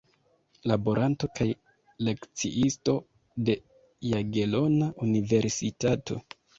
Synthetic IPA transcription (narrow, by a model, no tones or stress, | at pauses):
labo̞ɾʔanto̞kʰaj | le̞kt͡sḭʔisto̞ | de̞ | jaɡe̞lo̞naʔunive̞ɾsitato̞̰